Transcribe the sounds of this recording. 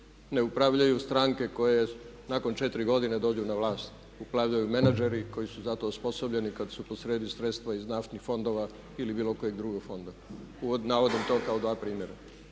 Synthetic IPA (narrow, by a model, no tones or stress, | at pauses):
ne̞upɾaʋʎajust̪ɾaːŋke̞ko̞je | nako̞nt͡ʃet̪ɾiɡo̞d̪ined̪o̞ːd͡ʒunaʋlˠaːst̪ | upɾaʋʎajumenad͡ʒeɾiko̞jisuzat̪o̞spo̞sobʎe̞nikad̪supo̞sɾeːd̪isɾet̪st̪ʋaiznaft̪nixfo̞nd̪o̞ːʋa | ilibiːlo̞kojeɡd̪ɾuɡoɡfo̞nd̪auonaʋo̞d̪imt̪o̞ːkaod̪ʋaːpɾiːmjeɾa